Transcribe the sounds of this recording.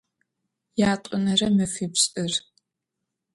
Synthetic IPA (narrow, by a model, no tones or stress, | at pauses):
jaːtʼʊnɐrɐmɨfipɕʼɨr